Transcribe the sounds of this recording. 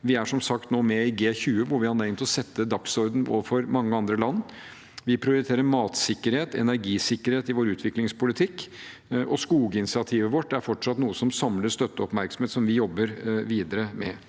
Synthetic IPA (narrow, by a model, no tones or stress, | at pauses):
ʋɪæʂɔmsɑkt̪noːmɛɪɡeːçʉːəʋʊɾʋɪhɑnɛɪnt̪ɔsɛt̪ːəd̪ɑksɔɾd̪n̩o̰ːʋəfɔɾmɑŋːəɑnd̪ɾəlɑnː | ʋɪpʰɾɪʊɾɪt̪ʰeːɾəɾmɑːt̪sɪkːəɾheːt̪ɛ̰næɾɡiːsɪkːəɾheːt̪ɪʋoːɾʉːt̪ʰʋɪklɪŋspʰʊlɪt̪ʰɪkː | ʔɔskuːɡəɪnɪsɪɑt̪ʰiːʋəʋɔʈːdæɾfɔʈʂɑt̪nuːəsɔmsɑmləst̪œt̪ːəɔpmæɾksɔm̩heːt̪sɔmʋɪjɔbːəɾʋiːd̪əɾəmɛ̰